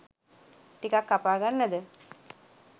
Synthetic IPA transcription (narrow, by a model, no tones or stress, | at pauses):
ʈikakːapaːɡanːəd̪ə